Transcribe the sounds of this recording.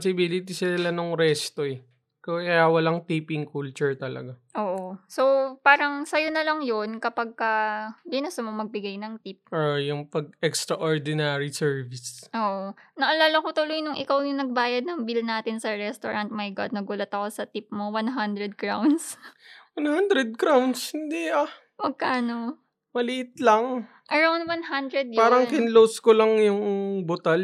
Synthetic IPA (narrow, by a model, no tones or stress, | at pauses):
sɪbiːlɪt̪isɪlanoŋɾɛst̪oɛ | kɐkɐjawɐlaŋt̪ipɪŋkult͡ʃʊɹt̪ɐlɐ̰ɡaʔoːʔo̞so̞paːɾɐŋsɐjonɐlɐŋjonkɐpɐɡ̚kɐbɪnast̪omomɐɡ̚bɪɡajnɐŋt̪ip̚ʔojʊŋpɐɡ̚ɛkst̪ɾɐʔoɹd̪ɪnaːɾisɛɹvɪsʔoːʔonɐʔɐlaːlɐkot̪ʊlojnʊŋʔɪkawjʊŋnɐɡ̚baːjɐd̪̚nɐŋbilnaːt̪ɪnsɐɹɛst̪oɹɐnt̪̚mɐjɡa̰d̪̚nɐɡuːlɐt̪ɐko̞sɐt̪ip̚mowanɦand̪ɾɛd̪̚kɹawnswɐnhand̪ɾɛd̪̚kɾawnshɪnd̪ɛʔa | mɐɡ̚kaːno | mɐlɪʔɪt̪lɐŋ | ʔɐɹawnd̪wanɦand̪ɾɛd̪̚jpaːɾɐŋkɪnlowskolɐŋjʊŋbot̪ɐl